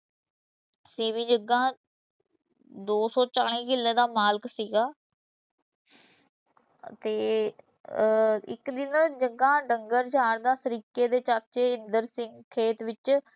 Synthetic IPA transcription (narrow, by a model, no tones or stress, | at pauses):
seːmĩːd͡ʒəɡːãː | d̪oːsɔːt͡ʃaːɽ̃ĩːkɪlːeːd̪aːmaːlksiːɡaː | t̪eː | ɪkd̪ɪnd͡ʒəɡãːɖəŋɡəɾd͡ʒʱaːɽd̪aːsəɾiːkeːd̪eːt͡ʃaːk̚t͡ʃeːɪnd̪əɾsɪŋɡkʰeːt̪ʋɪt͡ʃ